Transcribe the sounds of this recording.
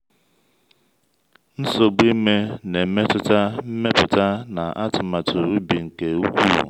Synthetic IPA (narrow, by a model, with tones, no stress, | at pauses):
n̩˦so˨ɡ͡bi˦me˦ne˨m̩˦me˦tʊ˦ta˦m̩˦me˦pʊ˨ta˦na˨ʔa̰˦tʊ˨ma˨tʊ˨u˦bi˨ŋ̩˨ke˨u˦kʷṵ˦˨